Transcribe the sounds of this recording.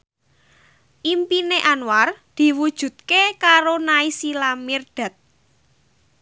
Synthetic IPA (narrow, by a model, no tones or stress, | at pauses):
ʔimpineʔanward̪̥i̤wud̥ʒ̥ṳt̪̚kekaɾonaisilamird̪̥a̤t̪̚